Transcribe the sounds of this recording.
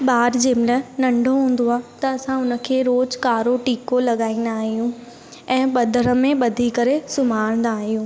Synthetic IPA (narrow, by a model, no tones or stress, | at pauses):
ɓaːɾd͡ʑeːmɪlənɐ̃ɳɖʱoɦũːn̆d̪oaːt̪ɐɐsãʊnə̆kʰeːɾoːd͡ʑkaːɾoʈiːkolɐɠaːĩːn̆d̪aːɦijũ | ɛ̃ːɓɐd̪ʱəɾə̆mẽɓɐd̪ʱikɐɾesʊm̤aːɽ̃n̆d̪aːɦijũː